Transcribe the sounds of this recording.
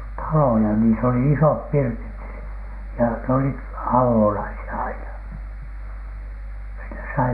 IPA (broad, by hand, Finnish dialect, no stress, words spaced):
tɑlojɑ niːs oli isop pirtit si jɑ n olit ɑʋoˑnɑisiɑ ɑinɑ sinːes sɑi